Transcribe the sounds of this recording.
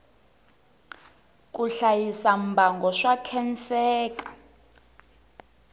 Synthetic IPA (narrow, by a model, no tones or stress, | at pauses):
kʼuɬajisambʱaŋɡɔʂakʰɛnt͡sɛːkʼḁ